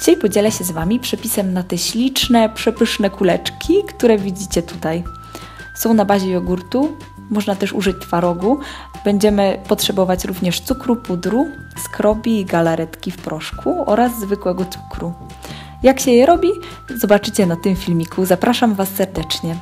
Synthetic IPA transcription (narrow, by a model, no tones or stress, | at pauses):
xt͡ɕejpɔd͡ʑɛlɛɕɛzvamʲipʂɛpʲisɛmnat̪ɛɕlʲit͡ʂnɛpʂɛpɘʂnɛkulɛt͡ʂkʲʰikt̪uɾɛvʲid͡ʑit͡ɕɛt̪ut̪aj | sɔ̃w̃nabaʑɛjɔɡuɾt̪u | mɔʐnat̪ɛʂuʐɘt͡ɕt̪faɾɔɡu | b̥ɛɲd͡ʑɛmɘpɔtʂɛbɔvat͡ɕɾuvɲɛʂt̪sukɾupud̪ɾu | skɾɔbʲiːɡalaɾɛt̪kʲifpɾɔʂkʰuɔɾazzvɘkwɛɡɔt̪su̥kɾu | jakɕɛjɛɾɔbʲi | zɔbat͡ʂɘt͡ɕɛnat̪ɘmfʲilmʲikʰuzapɾaʂamvasːɛɾd̪ɛt͡ʂɲɛ